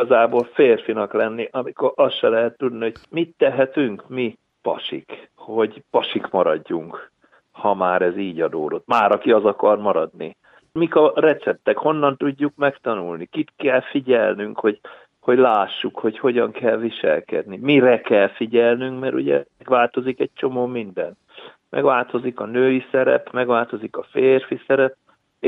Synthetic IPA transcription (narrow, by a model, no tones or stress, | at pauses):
ɒzaːboːlfeːrfinɒklɛnːiʔɒmiko̞ɾɒsʃɛlɛɦɛt̪ːud̪niho̞ɟmit̪ːɛɦɛt̪yŋkmi | pɒ̰ʃḭkho̞ɟpɒʃikmɒɾɒɟːuŋk | hɒmaːɾɛziːɟɒd̪oːlot̪maːɾʔɒkiɒzɒkɒrmɒɾɒd̪nḭ | mikɒrɛt̪sɛp̚t̪ɛkho̞nːɒnt̪uɟːukmɛkt̪ɒnulnikit̪kɛlfiɟɛlnyŋkho̞ɟ | ho̞ɟlaːʃːukho̞cho̞ɟɒŋkɛlviʃɛ̰lkɛ̰d̪nimirɛkɛlfiɟɛlnyŋkmɛɾʔṵɟɛ̰ɛɡʋaːlt̪o̞zikɛc̚t͡ʃo̞moːmind̪ɛn | mɛ̰ɡʋaːlt̪o̞zikɒnøːjisɛɾɛ̰pmɛɡʋaːlt̪o̞zikɒfeːrfisɛɾɛp̚